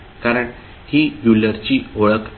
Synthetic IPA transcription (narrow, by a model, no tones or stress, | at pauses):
kaɾəɳ | hiːjuləɾt͡ɕiːɦoɭək